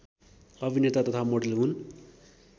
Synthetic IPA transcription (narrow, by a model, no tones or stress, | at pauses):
ʌbʱinet̪at̪ʌt̪ʰamoɖelɦun